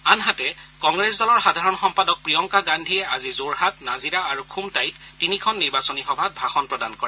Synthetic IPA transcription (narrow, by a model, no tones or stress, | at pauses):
anɦatɛkɔŋɡɹesdɔlɔɹxadʱaɹɔnxɔmpadɔk̚pɹijɔŋkaɡandʱijɛazizoɹhatnaziɹaːɹukʰumtajtːinikʰɔnːiɹbasɔnixɔbʱat̚bʱaxɔnpɹɔdankɔɹɛ